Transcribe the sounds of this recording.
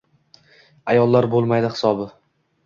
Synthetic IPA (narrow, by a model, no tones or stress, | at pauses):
ajɒlˠːaɾbolˠmajd̪ɪχɪ̥sɒbɪ